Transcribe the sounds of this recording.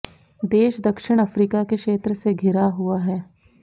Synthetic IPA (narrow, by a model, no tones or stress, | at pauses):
d̪eːʃd̪ɐkʃɪɽ̃ɐfɾiːkakekʃeːt̪ɾəseɡʱɪɾaɦuaɦɛː